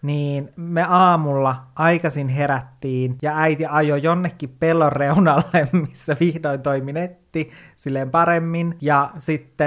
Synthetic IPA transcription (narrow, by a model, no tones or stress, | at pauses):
niːnmeɑːmulːɑʔɑjkɑsinɦeɾæt̪ːiːnjɑæit̪iɑjojonːekːippelːorːeunɑlːemmisːæʋihdoint̪oiminet̪ːisilːempɑɾemːinjɑsit̪ːe